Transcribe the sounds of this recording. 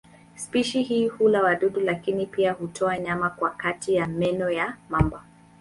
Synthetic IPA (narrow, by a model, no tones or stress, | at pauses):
spiʃihiːhulawaɗuɗulakinipiahutʰɔaɲamakwakatijamɛnɔjamamba